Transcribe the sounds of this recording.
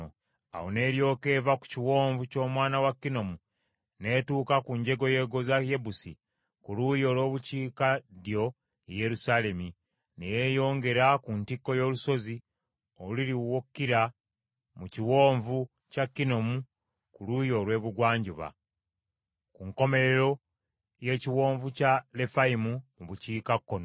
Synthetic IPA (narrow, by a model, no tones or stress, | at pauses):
a̰wone̞ːɾjo̞ːke̞vaku̥ciwo̞ːɱvuco̞ːmwaːnawakːino̞mu | ne̞ːtuːkakuɲɟe̞ɡo̞je̞ɡo̞zaje̞busḭ | kulujo̞ːlwo̞ːβuciːkadjo̞ | je̞ɾusale̞mi | nejejo̞ːŋɡe̞ɾakuntikːo̞jo̞ːluso̞zi | oliɾiwokːiɾa | muciwo̞ːɱvu | cakːino̞mu | kulujo̞ːlwe̞ːβuɡwaːɲɟuβa̰ | kuŋko̞me̞ɾe̞ɾo̞ | je̞ːciwo̞ːɱvucale̞faimumuβuciːkakːono